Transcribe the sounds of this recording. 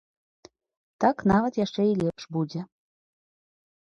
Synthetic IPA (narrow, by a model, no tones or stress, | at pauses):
t̪ɑknɑβət̪jaʃt͡ʂɛilʲepʃbud͡zʲe